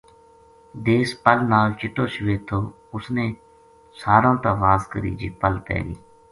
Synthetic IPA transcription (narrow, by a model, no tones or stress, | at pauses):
d̪eːspəlnaːlt͡ʃɪʈːoːʃʊʋeːt̪ʰoː | ʊsneː | saːɾõːt̪ãːʋaːzkəɾḭːd͡ʒiːpəlpɛ̰ːlḭː